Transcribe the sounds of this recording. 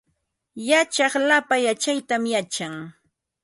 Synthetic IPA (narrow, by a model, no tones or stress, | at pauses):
jat͡ʃɑχlapajat͡ʃajt̪amjat͡ʃaŋ